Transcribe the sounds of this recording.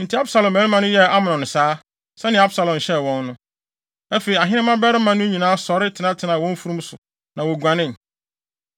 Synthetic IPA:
n̩˨tʰi˨˦a˦bsa˨lɔ̃˨mɛ̃˨˦ɪ˦mã˦nʊ̃˦jɛ˦a˦mʊ̃˨nɔ̃˨nʊ̃˨saː˦ | sɛ̃˦nɪ̃˨˦a˦bsa˨lɔ̃˨m˨ɕɛ˦˨wɔ̃˦nːʊ̃˦ | æ˦fe˨i˨a˨ɦɪ̃˦nɪ̃˦mã˦bɛ˦ɾɪ˦mã˨nʊ̃˦ɲĩ˨nãː˦sɔ˨ɾɪ˦tʰɪ˨nã˦tʰɪ˨nã˨wɔ̃˦m˦fu˦ɾũ˦msʊ˨ | nã˨wɔ˨ɡʷã˨nɪ̃˦˨n˨

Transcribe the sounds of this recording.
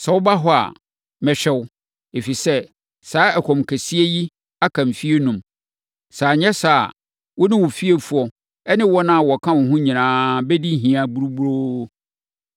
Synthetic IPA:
sɛ˨wba˦ɦɔ˦a̰˨ | mɛ̃˨ɕᶣɛ˦w | e˨fi˨sɛ˦ | saː˨˦ɛ˨kʰɔ̃˨mkʰæ˨si˦e˦ji˦ | a˦kʰã˨m˨fi˦e˦nũ˨m | saː˨ɲɛ̃˦saː˨ | wɔ˦nɪ̃˦wɔ˨fi˦e˨fu˨ɔ˨ | ɛ˦nɪ̃˦wɔ˦nã˦a˨wɔ˨kʰã˦wʊ̃˨ɦʊ̃˦ɲĩ˨nãː˦bɛ˦di˦ɦĩ˨ã˨bu˦ɾu˦bu˦ɾo˦

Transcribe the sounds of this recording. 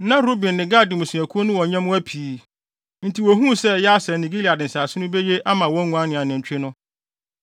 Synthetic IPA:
nã˦ɾo˦bĩ˨nːɪ̃˨ɡa˦˨dɪ˨mʊ̃˨sĩ˨æ˨kʰu˦o˦nʊ̃˦wɔ̃˨ɲã˦m˦æ˦pʰiː˨ | n̩˦tʰi˨wɔ˨ɦũ˦sɛ˦jɛ˦a˦sɛ˨nĩ˨ɡi˦li˨a˨dɪ̃˨n̩˨saː˨sɪ˦nʊ̃˦be˦je˦ʔa˦mã˨wɔ̃˦ŋũ˨a˦nɪ̃˨a˨nɪ̃˨ɲ̩˨t͡ɕᶣɪ˦nʊ̃˦

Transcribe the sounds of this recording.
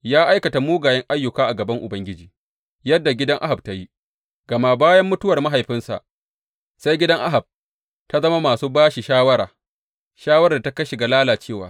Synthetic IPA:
jaː˦ʔa˦jkɐ˨ta˨muː˦ɡaː˨jɛ˦ŋʔa˦jːʊ˨kaː˦ʔa˨ɡɐ˨bɐ˦ŋʔʊ˨bɐ˦ŋɡʲɪ˦d͡ʒiː˨ | jɐ˦dːa˨ɡʲɪ˦dɐ˦ŋʔa̰˦ɦa˨b̚ta˦ji˦ | ɡ̥ɐ˨ma˦˨baː˦jɐ˦mːʊ˦tʊ˦wɐ˨rma˦ɦa˨jɸɪ˦nsa̰˨ʔ | sa˦jɡʲɪ˦dɐ˦ŋʔa˦ɦa˨b̚ | ta˦zɐ˦ma˦maː˨suː˦baː˦ʃi˨ʃaː˦wɐ˦ɾaː˨ | ʃaː˦wɐ˦ɾda˨ta˦kɐ˦ʃi˨ɡa˨laː˦laː˨t͡ʃeː˦˨wa̰ː˦

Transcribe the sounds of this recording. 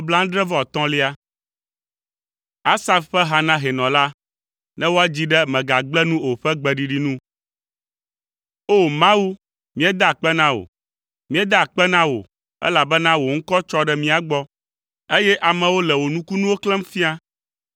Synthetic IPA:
o˦bla˦ŋ̩˦dɾɛ˦vɔ˦˨ɔ˨t̪ɔ̃˦li˦a˦ | a˦sa˦fɸɛ˦ɦa˨nã˦ɦɛ˨nɔ̃˨la˦ | nʔɛ̃˦wo˦a˦d͡ʑi˦ɖɛ˦mɛ̃˨ɡa˨ɡ͡blɛ˦nũ˦o˨ɸɛ˦ɡ͡bɛ˨ɖi˨ɖi˦nũ˦ | o˦˨mã˦wu˦ | mĩ˦ɛ˦d̪a˦˨k͡pɛ˦nã˦wo̰˨ | mĩ˦ɛ˦d̪a˦a˨k͡pɛ˦nã˦wo̰˨ | ɛ̰˦la˨bɛ˦nã˦wo˨ŋ̩˦kɔ˦t͡ʃɔ˦ɖɛ˦mĩ˦a˨ɡ͡bɔ˦ | e˦jɛ˦ʔa˨mɛ̃˨wo˦lɛ˨wo˨nũ˦ku˦nũ˦wo˦klɛ˦m˦fi˦a˦

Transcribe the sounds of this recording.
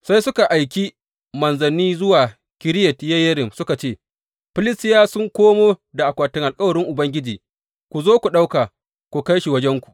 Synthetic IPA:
sa˦jsʊ˦ka˨ʔa˨jk̬ʲi˦ | mɐ˨nzɐ˨niː˦zʊ˦waː˨ | kʲɪ˦ɾɪ˦jɛ˨tjɐ˦jɐ˦ɾɪ˨msʊ˦ka˨t͡ʃeː˦˨ | ɸɪ˦lɪ˦stɪ˦jaː˦sʊ˦ŋkʷoː˦moː˦da˨ʔa˨kʷaː˨tɪ˦ŋʔa˨lkʼɐ˦wɐ˨ɽɪ˦ŋʔʊ˨bɐ˦ŋɡʲɪ˦d͡ʒiː˨ | kʷu˨zoː˦kʷu˨ɗa˦wkaː˨ | kʷu˨ka˦jʃi˨wɐ˦d͡ʒɛ˦ŋkʷu̥˨ʔ

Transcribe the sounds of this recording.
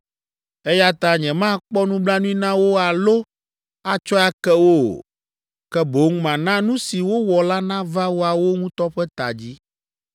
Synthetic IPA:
ɛ˦ja˦t̪ã˦ɲɛ̃˨mã˦˨k͡pɔ˦nũ˦bla˦nũ˦i˦nã˦wo˦a˨lo˦ | a˨t͡ʃɔ˦a˦kɛ˦wo̰˦˨ | kɛ˦bo˨˦ŋ˦mã˨nã˦nũ˦si˨wo˦wɔ˨la˦nã˦va˦wo˦a˨wo˦ŋũ˦t̪ɔ˦ɸɛ˦t̪a̰˨d͡ʑi˦

